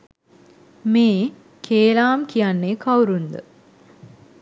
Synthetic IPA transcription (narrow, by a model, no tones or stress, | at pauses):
meː | kʰeːlaːmkijanːeːkʰɐwɾund̪ə̰